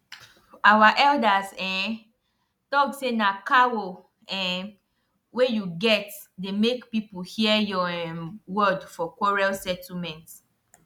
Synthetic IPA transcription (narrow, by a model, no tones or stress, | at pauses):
awaʔɛldasɛ̃ | tɔksenakawo | ɛ̃ | wejuɡɛt | demekpipuhiəjɔ | wɔdfɔkwɔɹalsɛtʰl̩mɛ̃nt